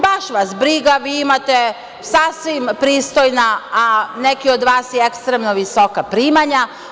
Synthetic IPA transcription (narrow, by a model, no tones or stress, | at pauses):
baʃʋasbɾiɡaʋiːimat̪e | sasʋimpɾiːst̪ojnaː | ne̞kiod̪ʋaːsjeekst̪ɾemno̞ʋiso̞kapɾiːmaɲa